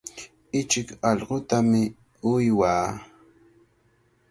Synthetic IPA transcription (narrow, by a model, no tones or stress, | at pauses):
ɪt͡ʃɪkɑʎɢot̪amɪ | ʊjwaː